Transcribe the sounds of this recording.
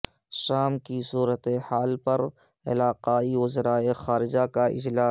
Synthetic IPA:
ʃaːmkisuːɾət̪ehaːlpɐɾ | ɪ̰laːqaːiʊzəɾaːexaːɾɪd͡ʒakaʔɪ̰d͡ʒlaː

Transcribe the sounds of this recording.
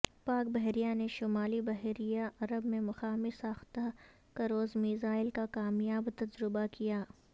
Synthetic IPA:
paːk̚bɐɦɾijaneʃʊmaːlibɐɦɾijaʔɐɾəbmẽmʊxaːmisaːxt̪əɦ | kɐɾoːzmiːzaːɪlkakaːmjaːbt̪ɐd͡ʒɾʊbakijaː

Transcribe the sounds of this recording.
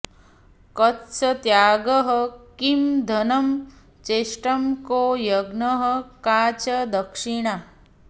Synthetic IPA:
kɐtsɐt̪jaːɡɐɦɐkimd̪ʱɐnɐm | t͡ʃeːʂʈɐmkoːjɐɡnɐɦɐkaːt͡ʃɐd̪ɐkʂiɳ̃a

